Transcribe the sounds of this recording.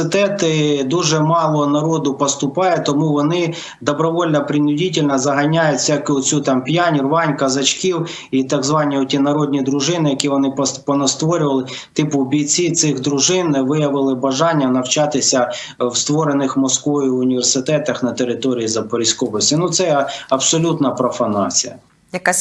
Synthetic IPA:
ɪt̪ɛt̪ɪd̪uʒɛmɑlˠɔnɐɾɔd̪ʊpɔst̪ʊpɑjɛt̪ɔmuʋɔnɪ | d̪ɔbɾɔʋɔlʲnɐpɾʲɪnʲʊdʲitʲɪlʲnɐzɐɦɐnʲajʊtʲsʲjɐkɪʊt͡sʲut̪ɑmpʲjanʲirʋɑnʲkɐzɐt͡ʃkʲiw | it̪ɐɡzʋɑnʲiɔtʲinɐɾɔdʲnʲid̪ɾʊʒɪnɪjɐkʲiʋɔnɪppɔnɐst̪ʋɔɾʲʊʋɐlˠɪ | t̪ɪpʊbʲij̪t͡sʲit̪sɪxd̪ɾʊʒɪnʋɪjɐʋɪlˠɪbɐʒɑnʲːɐnɐwt͡ʃɑt̪ɪsʲɐ | wst̪ʋɔɾenɪxmɔskʋɔjʊʊnʲiʋʲe̞rsɪt̪ɛt̪ɐxnɐt̪eɾɪt̪ɔɾʲijizɐpɔɾʲisʲkɔbɔsʲinut̪sɛɐbsɔlʲut̪nɐpɾɔfɐnɑ̰t͡sʲijɐ̰ | jɐka

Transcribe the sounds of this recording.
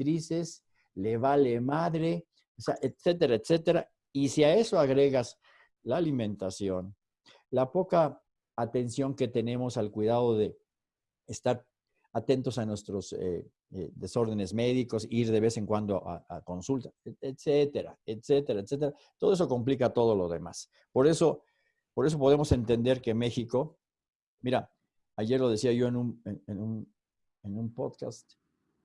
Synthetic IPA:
t̪ɾise̞s | leβale̞maðɾe̞ | oseaʔet̪se̞t̪e̞ɾaet̪se̞t̪e̞ɾa | isiae̞soaɣɾe̞ɣas | laːlimẽ̞nt̪asjo̞n | lapo̞kaː | t̪e̞nsjo̞ŋke̞t̪e̞nẽ̞mo̞salkwiðaðo̞ðe̞ | est̪aɾ | at̪e̞nt̪o̞sanwe̞st̪ɾo̞sḛ | eðe̞so̞ɾð̞e̞ne̞zme̞ðiko̞siiɾðe̞βe̞se̞ŋkwand̪oaʔa̰ako̞nsult̪aet̪set̪e̞ɾa̰et̪se̞t̪e̞ɾaet̪se̞t̪̬eɾat̪oð̞es̬o̞ko̞mplikat̪o̞ð̞o̞lo̞zðe̞̰ma̰s | po̞ɾe̞so̞ | po̞ɾe̞s̬o̞po̞ð̞e̞mo̞se̞nt̪e̞nd̪e̞ɾke̞me̞xiko̞ | miɾa | aʝe̞ɾlo̞ð̞e̞siaʝo̞enũnenenun | enũmpo̞ðka̰st̪

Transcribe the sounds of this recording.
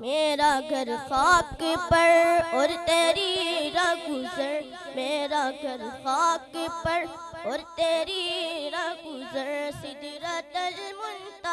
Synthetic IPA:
meːɾaɡʱɐɾxaːb̚kepɐɽɔːɾt̪eːɾiɾaːɡʊzəɾ | meːɾaɡʱɐɾxaːb̚kepɐɽ | ɔːɾt̪eːɾiɾaɡʊzəɾsɪd̪ɾət̪ɐlmʊnt̪a

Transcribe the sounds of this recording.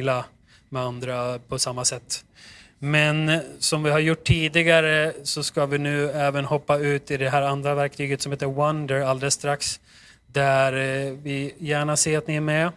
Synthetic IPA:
la | mɛand̪ɾapʰɔsamːasɛt̪ː | mɛnsɔmvɪɦaɾjʊʈʰːiːd̪ɪɡaɾəsɔskavɪnʉ̟ːɛːvənhɔpːaʉ̟ːt̪ɪd̪ɛɦæːɾand̪ɾavæɾk̚t̪ʰyːɡət̪sɔmheːt̪ːəɾwand̪əɾald̪ɛst̪ɾaks | d̪æɾvɪjæːɳaseːɾat̪nɪæɾmɛ

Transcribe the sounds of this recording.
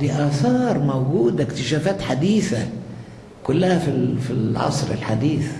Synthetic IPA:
d̪iʔaːθɑːɾˤmoɡuːd̪akt̪ɪʃaːfaːt̪ħad̪iːθa | kʊlːahafifilʕɑ̰sˤɾɪ̰lħad̪iːθ

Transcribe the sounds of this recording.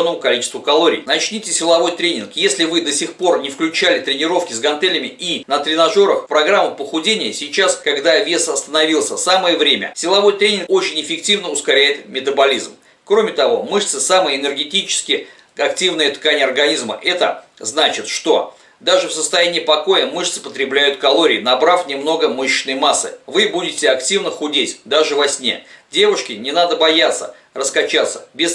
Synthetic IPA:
nːəmʊkɐlʲit͡ɕɪst̪vʊkɐlˠoɾʲḭjnɐt͡ɕnʲitʲɪsʲɪlˠɐvo̞jt̪ɾʲenʲɪnkjesʲlʲɪvɨd̪əsʲɪxpo̞rnʲɪfklʲʉt͡ɕælʲɪt̪ɾʲɪnʲɪɾo̞fkʲɪzɡɐnt̪ɛlʲɪmʲɪʔinət̪ɾʲɪnɐʐo̞ɾəxpɾɐɡɾamːəpəxʊdʲenʲɪjəsʲɪt͡ɕaskɐɡd̪avʲe̞sɐst̪ənɐvʲilˠsʲəsaməjəvɾʲemʲə̰sʲɪlˠɐvo̞jt̪ɾʲenʲɪnko̞t͡ɕɪnʲɪfʲɪk̚tʲivnəʊskɐɾʲæjɪt̪mʲɪt̪əbɐlʲizm | kɾo̞mʲɪt̪ɐvo̞̰mɨʂt̪sɨsaməjəɪnʲɨrɡʲɪtʲit͡ɕɪ̥skʲɪ | ɐk̚tʲivnɨjət̪kanʲɪjəɐrɡɐnʲizmə̰ʔɛt̪ə̰ | znat͡ɕɪt̪ʂt̪o̞ | d̪aʐɨfsəst̪ɐjænʲɪːipɐko̞jəmɨʂt̪sɨ̥pət̪ɾʲɪblʲæjʊt̪kɐlˠo̞ɾʲɪːnɐbɾafnʲɪmno̞ɡəmɨɕːɪnːəjmasːɨ̰vɨbudʲɪtʲɪɐktʲivnəxʊdʲetʲd̪aʐɨvɐsʲnʲe̞̰dʲe̞vʊʂkʲɪnʲɪnad̪əbɐjat̪sːə̰ | rəskɐt͡ɕat̪sːə̥̰bʲɪs

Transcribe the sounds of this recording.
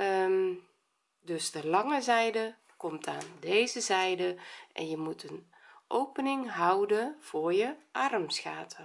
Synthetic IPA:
dɵsdəlɑŋəzɛjdə | kɔmtʰaːndejzəzɛjdəʔɛ̰njəmutʰən | ʔowpənɪŋɦʌwdənv̥ʊːɹjəʔɑrmsxaːtʰə

